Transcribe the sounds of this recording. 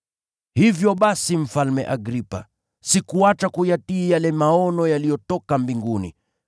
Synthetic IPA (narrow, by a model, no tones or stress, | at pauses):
hivjɔɓasim̩falmɛ̰ʔaɡɾipa̰ | sikuat͡ʃakujatiːjalɛmaɔnɔjalijɔtɔkambiŋɡunḭ